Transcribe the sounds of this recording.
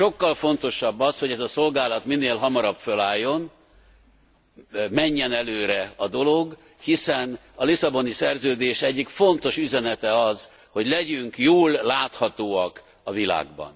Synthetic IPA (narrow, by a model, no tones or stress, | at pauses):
ʃo̞kːɒlfo̞nt̪o̞ʃɒbːɒsho̞ɟɛzɒso̞lɡaːlɒt̪minːeːlɦɒmɒɾɒbfølaːjːo̞n | mɛɲːɛnɛløːɾɛɒd̪o̞lo̞ɡ | hisɛn | ɒlisɒbo̞nisɛrzøːd̪eːʃɛɟːikfo̞nt̪o̞ʃyzɛnɛt̪ɛɒz | ho̞ɟlɛɟyŋkjoːlːaːt̪hɒt̪oːɒk | ɒvila̰ːɡbɒ̰n